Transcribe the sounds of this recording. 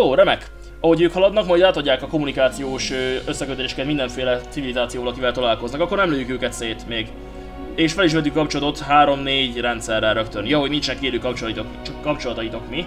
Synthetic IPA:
joːɾɛmɛk | ɒɦo̞ɟøːkhɒlɒd̪nɒkmɒjd̪laːt̪ɒɟːaːkɒko̞munikaːt̪sijoːʃøøsːɛkøt̪øleːʃɛ̥kɛt̪mind̪ɛɱfeːlɛt̪sivilizaːt̪sijoːvɒlɒkivɛlt̪olaːlko̞znɒkɒkːo̞rnɛmløːjykøːkɛt̪seːt̪meːɡ | eːʃfɛliʃ̬mɛt̪ykkɒp̚t͡ʃolɒt̪o̞t̪ɦaːɾo̞mneːɟrɛnt̪sɛrːɛɾøkt̪ønjoɦo̞ɟnint͡ʃnɛkːeːløːkɒp̚t͡ʃoltit̪okkːɒpt͡ʃolɒt̪ɒjit̪o̞kmi

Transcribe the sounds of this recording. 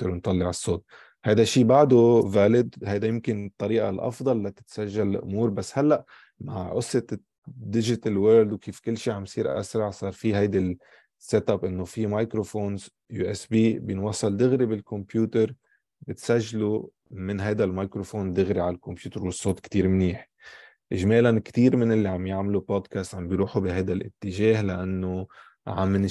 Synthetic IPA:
ɪɾnt̪ˤɑlːɪʕɪsˤːoːt̪̚ | hajd̪aʃiːbaʕd̪ovaːlɪd̪hajd̪ajɪmkɪnɨt̪ˤːɑɾiːʔa̰lʔɑ̰fd̪ˤɑlːat̪ɪ̥t̪saʒːallʔʊ̰muːɾbasːhalːaʔ | maʕʔʊsːɪt̪ | d̪ɪʒɪt̪alweːɾld̪wkʰiːfkɪlːʃiːʕamjsˤiːɾʔa̰sɾˤɑʕsˤɑːɾˤfiɦajd̪a | sːet̪abʔɪnːofimajkɾofoːnz | juːʔɛsbiːbjɪnwɑsˤːɑld̪ɪɣɾibɪlkɔmpjuːt̪əɾ | bɪt̪saʒːlu | mɪnɦajd̪almajkɾofoːnd̪ɪɣɾiʕalalkompjuːt̪əɾwɪsˤːoːt̪kt̪iːɾmniːħ | ʔɪʒmeːlankt̪iːɾmɪnʔɪlːiʕambjaʕmluboːd̪kast̪ʕambjɾuːħubiɦajd̪alʔɪ̰t̪ːɪʒeːɦlaʔanːo | ʕamːn

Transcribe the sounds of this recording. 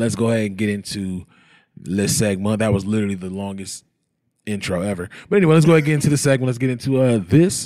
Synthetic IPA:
lɨtsɡ̥oʊhɛɾɨ̃nɡɛɾɪ̃ntʰʉ | ðɨsɛɡ̚mə̃n̚ðɨt̚wʌzlɪɾə˞l̩ˠiðəlɔ̃ŋɡɨst | ɪ̃nt͡ʃʰɹ̥oʊɛvə˞b̥ʌɾɛñiweɪlətsɡ̥oɛd̚ɡɛɾɪ̃ntʰuðɨsɛɡ̚mə̃n̩lətsɡ̥ɛɾɪ̃ntʰuʌðɪs

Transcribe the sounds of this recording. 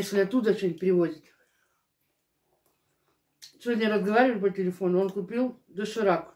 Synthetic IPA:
jesʲlʲɪɐt̪ːud̪əɐt͡ɕenʲɪt̚ʲpɾʲɪvo̞dʲɪt̪ʲ | sʲɪvʲodʲnʲəɾəzɡɐvaɾʲɪvəjʲp̬ətʲɪlʲɪfo̞nʊonkʊpʲilˠd̪oʂɨɾak

